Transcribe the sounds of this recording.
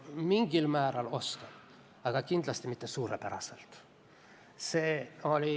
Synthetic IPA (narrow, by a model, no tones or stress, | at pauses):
miŋɡ̥ilmæːɾɑlosken | ɑɡ̥ɑkind̪̥lɑst̪imit̪ːesuːɾepeɾɑ̰selt̪ | seːolʲi